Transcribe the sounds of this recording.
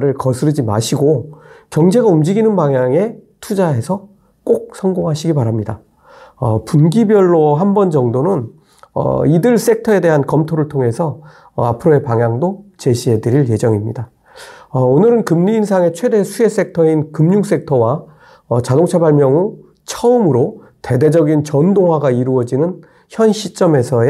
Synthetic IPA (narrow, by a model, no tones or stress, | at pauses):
ɾɯɭkʌsʰɯɾɯd͡ʑima̰ɕʰiɡokjʌŋd͡ʑe̞ɡaumd͡ʑiɡinɯnpaŋjaŋe̞tʰud͡ʑaɦe̞sʰʌ | k͈ok̚sʰʌŋɡoŋɦaɕʰiɡipaɾamɲida | ʌpunɡibjʌɭːoɦambʌnd͡ʑʌŋdonɯn | ʌ̰idɯɭs͈e̞k̚tʰʌe̞de̞ɦankʌmtʰoɾɯɭtʰoŋɦe̞sʰʌ | a̰pʰɯɾoe̞paŋjaŋdot͡ɕe̞ɕʰie̞dɯɾiɭje̞d͡ʑʌŋimɲida | ʌonɯɾɯnkɯmɲiːnsʰaŋe̞t͡ɕʰwe̞de̞sʰue̞s͈e̞k̚tʰʌinkɯmɲuŋs͈e̞k̚tʰʌwa | ʌt͡ɕadoŋt͡ɕʰabaɭmjʌŋu | t͡ɕʰʌɯmɯɾo | te̞de̞d͡ʑʌɡint͡ɕʌndoŋɦwaɡaiɾuʌd͡ʑinɯn | çjʌnɕʰit͡ɕ͈ʌme̞sʰʌ